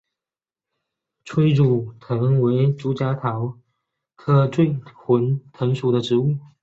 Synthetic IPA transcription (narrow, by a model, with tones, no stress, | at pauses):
ʈ͡ʂʰwe˥ɪɻu˨˩t̪ʰɤ˧˥ŋwe˧˥ɪʈ͡ʂu˧˥t͡ɕja˧˥t̪ʰɑ˧˥ʊ | kʰɤ˥˧ʈ͡ʂwe˥˩ɪxwə˧˥nt̪ʰɤ˧˥ŋʂu˨˩ɾə˦ʈ͡ʂɻ̩˧˥u˥˩